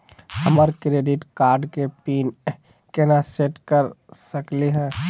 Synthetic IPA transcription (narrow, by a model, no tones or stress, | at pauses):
həməɾkɾeːɖɪʈkaːɾɖkepiːn | kenaseʈkəɾsəkleɦɛ̃ː